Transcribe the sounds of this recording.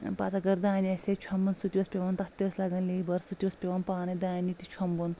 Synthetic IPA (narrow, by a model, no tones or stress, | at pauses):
paːt̪ɐɡɐɾd̪aːnʲeset͡ʃʰɐmbɐnsut̪iɐspʲeʋɐnt̪ɐt̪islɐɡɐnleibɐɾsut̪ʲiospʲeʋɐnpaːnɐd̪aːnit̪it͡ʃʰɐmbun